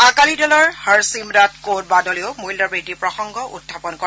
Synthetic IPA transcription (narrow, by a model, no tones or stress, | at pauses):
akalidɔlɔɹhəɹsimdatkot̚badɔleʊmujldabɹedipɹɔxɔŋɡɔʔṵdʱːapɔnkɔ